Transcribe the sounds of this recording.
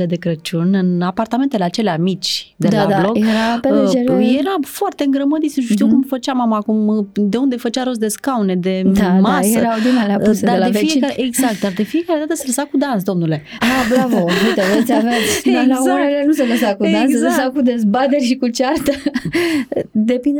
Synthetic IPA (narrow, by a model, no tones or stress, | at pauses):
le̞d̪e̞kɾət͡ʃunʲɨnapart̪ame̞nt̪ele̞at͡ʃe̞leamit͡ʃʲd̪e̞d̪ad̪ablo̞kjeɾapeɾjeɾafoart̪eɨŋɡɾəməd̪it̪sʃʃt̪iwkumfət͡ʃamamaːkumd̪e̞und̪e̞fət͡ʃaɾos̬d̪e̞skaune̞d̪e̞amasjeəɾawd̪inaleaussed̪aeadefiekaɾeeɡzak̚t̪̚d̪ard̪e̞fije̞kaɾe̞d̪at̪əseləsakud̪ansd̪omnule̞ | abɾavout̪eot̪sʲavet̪sʲd̪alaonelenuseləsakud̪anszəsakud̪e̞zbat̪eɾʲʃikut͡ʃart̪ə | d̪epind̪